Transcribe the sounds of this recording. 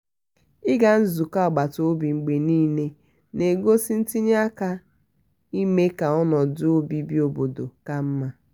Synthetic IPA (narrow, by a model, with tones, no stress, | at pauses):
ɪ˦ɡa˨n̩˦zu˨ka˦a˨ɡ͡ba˨to˦o˦bi˨ŋ͡m̩˨ɡ͡be˨niː˦ne˦ | ne˨ɡo˦si˦n̩˦ti˦ɲ˦a˦ka˦ | i˦me˦ka˨ɔ˦nɔ˨dʊ˦o˦bi˦bi˦o˨bo˨do˨ka˦m̩˦ma˨